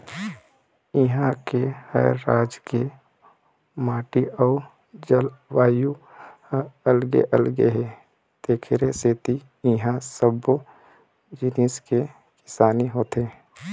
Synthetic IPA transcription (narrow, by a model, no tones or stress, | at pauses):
iɦãkehə̰ːɾːaːd͡ʒke | maːʈiɔː | d͡ʒəlʋaːju | əlɡḛʔəlɡeɦe | d̪̥eːkʰɾeseːt̪i | ĩɦãsəbo | d͡ʒɪniske | kɪ̥saːniɦoːt̪eː